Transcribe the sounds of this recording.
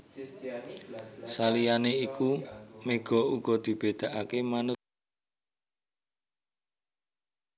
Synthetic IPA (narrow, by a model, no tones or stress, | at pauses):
salijaneikumeɡ̥ɔ̤uɡ̥ɔ̤d̪̥i̤b̥e̤d̪̥a̤ʔakemanʊt̪̚